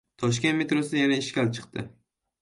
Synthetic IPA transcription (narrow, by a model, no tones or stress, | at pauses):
t̪ʰɒʃkʲe̞nt̪met̪ɾosɪd̪ajanaɪʃkʲalt͡ʃʰɨ̥qt̪ɪ